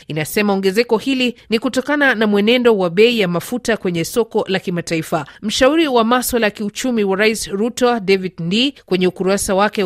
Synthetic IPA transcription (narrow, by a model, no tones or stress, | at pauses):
inasɛmaɔŋɡɛzɛkɔhilinikutɔkananamwɛnɛndɔwaɓɛijamafutakwɛɲɛsɔkɔlakimataifam̩ʃauɾiwamaswalajakiut͡ʃumiwaɾaisɾutadɛvidndikwɛɲɛukuɾasawakɛ